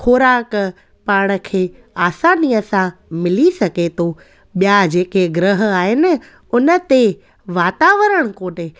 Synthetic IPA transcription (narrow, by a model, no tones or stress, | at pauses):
kʰoːɾaːk | paːɽ̃ə̆kʰeː | aːsaːnijəsãmɪlisɐɡet̪ʰoː | ɓjad͡ʑeːkeɡɾəɦə̆aːɦɪnɪ̆ | ʊnə̆t̪e | ʋaːt̪aːʋəɾəɽ̃koːne